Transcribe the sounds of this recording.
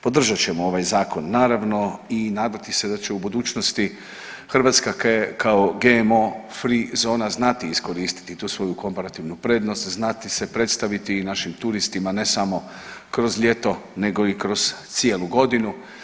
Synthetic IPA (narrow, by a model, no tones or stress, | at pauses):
po̞d̪r̩ʒat͡ɕe̞moo̞ʋajzaːko̞nːaːɾaʋno̞inaːd̪at̪ise̞d̪at͡ɕe̞ubud̪uːt͡ʃnost̪i | xrʋat̪skakkaoɡeemofɾizo̞ːnaznat̪iisko̞ɾiːst̪i̥t̪it̪uːsʋo̞juko̞mpaɾat̪iʋnupɾe̞d̪no̞st̪znat̪ise̞pɾe̞t̪st̪aʋit̪inaʃimt̪uɾist̪imane̞samo̞ | kɾo̞zʎʲe̞t̪o̞ne̞ɡo̞ikɾo̞z̥t̪sie̞lˠuɡo̞d̪inu